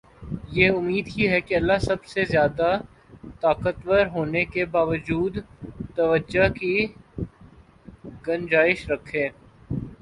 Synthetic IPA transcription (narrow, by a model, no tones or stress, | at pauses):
jeʊmːiːd̪ɦiɦɛkeɐlːasɐbsezjaːd̪a | t̪aːkət̪ʋəɾɦoːnekebaːʋəd͡ʒuːd̪t̪ɐʋəd͡ʒaki | ɡɐ̃nd͡ʒaːɪʃɾɐkʰːẽː